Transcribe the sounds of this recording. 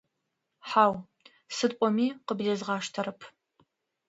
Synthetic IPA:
ħaːw | sɨtʼʷɔmiːqəbdezʁɑːʂtʰɐɾɨpʰ

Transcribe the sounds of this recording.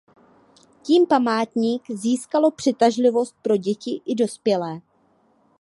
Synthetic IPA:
ciːmpamaːt̪ɲiːkziːskalo̞pr̥ɪt̪aʒlɪvo̞st̪̚pɾo̞ɟɛcɪʔɪdo̞spjɛlɛː

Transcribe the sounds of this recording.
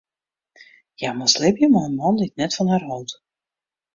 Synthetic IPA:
jamaslɪbjəmaənmɑnlitnɛtfɑnhaːrɦɔlˠt

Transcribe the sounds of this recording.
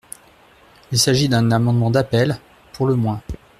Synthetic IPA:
ilsaʒid̪ɛ̃namɑ̃d̪mɑ̃d̪apɛl | pʰuʁləmwɛ̃

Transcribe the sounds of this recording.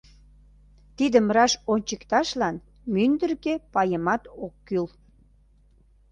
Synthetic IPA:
t̪id̪əmrɑʃonʲt͡ɕəkt̪ɑʃlɑn | mynd̪ərkepɑjəmɑt̪okːyl

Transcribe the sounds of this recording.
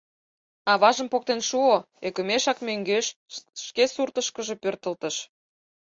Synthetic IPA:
ɑβɑʒə̆mpok̚t̪enʃuo | ekə̆meʃɑkmøŋɡeʃʃkesurt̪əʃkəʒepørt̪ə̆lt̪ə̆ʃ

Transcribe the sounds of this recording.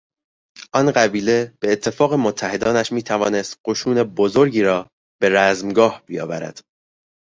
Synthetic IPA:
ʔɒnɢæbiːle̞b̥e̞ːt̪ʰːe̞fɒːɣe̞mot̪ʰːæhe̞d̪ɒːnæʃmiːt̪ʰævɒːne̞st̪ɢo̞ʃuːne̞bozo̞ɾɟiːɾɒː | b̥e̞ɾæzmɡɒːhb̥ijɒ̰ːvæɾæ̰d̪̥

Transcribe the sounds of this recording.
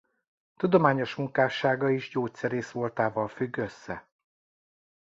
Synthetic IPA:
t̪ud̪o̞maːɲo̞ʃmuŋkaːʃaːɡɒiʒɟoːc̪sɛɾeːsʋo̞lt̪aːvɒlfyɡːø̞sːɛ̰

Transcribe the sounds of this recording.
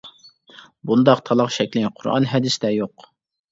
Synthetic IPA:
bund̪ɑqt̪ʰɑlˠɑqʃɛkʲlɪŋqʰʊɾɑ̰nɦɛd̪ɪsd̪ɛjoq

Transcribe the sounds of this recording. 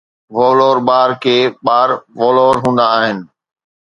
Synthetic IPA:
ʋoːloːɾɓaːɾkʰeːɓaːɾʋoːloːɾɦũːnd̪aːɦɪnɪ̆

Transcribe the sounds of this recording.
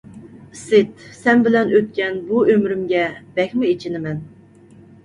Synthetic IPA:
sɪt̪sɛnbɪlɛnøt̪̚kʲɛnbuømɾymɡʲɛb̥ɛkʲmuet͡ʃʰinɪmɛn

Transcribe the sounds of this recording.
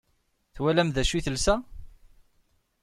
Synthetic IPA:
θwælæmðæʃiθəlsæ

